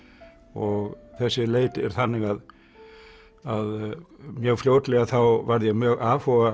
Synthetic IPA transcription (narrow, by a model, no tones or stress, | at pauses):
ɔɣθɛsːɪleːjt̪ɪɛ̰ɾ̥θanːɪɣað | aðmjœːɣfljoːwt̪lɛɣaθawvaɾðjɛɣmjœːɣaːfɔɣa